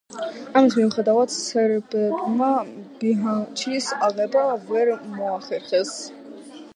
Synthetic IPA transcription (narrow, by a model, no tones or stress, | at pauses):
amit̪ʰmimχɛd̪avat̪ʰsəɾbɛmabiɦat͡ʃʰisɑʁɛbavɛɾmɔɑχɛɾχɛs